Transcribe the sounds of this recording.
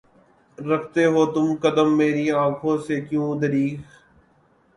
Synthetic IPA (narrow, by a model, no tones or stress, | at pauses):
ɾɐkʰt̪eɦoːt̪ʊmkəd̪əmːeːɾiãːkʰõsekjũːd̪əɾiːx